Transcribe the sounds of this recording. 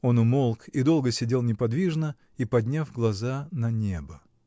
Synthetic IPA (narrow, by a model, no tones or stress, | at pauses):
o̞nʊmo̞lˠkid̪o̞lˠɡəsʲɪdʲelˠnʲɪpɐd̪vʲiʐnə | ipɐdʲnʲafɡlˠɐzanɐnʲebə